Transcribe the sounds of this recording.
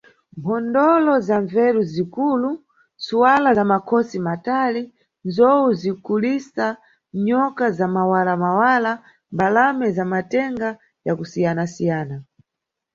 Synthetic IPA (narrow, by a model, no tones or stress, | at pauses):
mpʰɔndɔlɔzaɱvɛɾuzikuːlu | suwalaamakʰɔsimatali | nzɔuzikulisa | ɲɔkazamawalamawala | mbalamɛzamatɛŋɡa | jakusijanasijaːna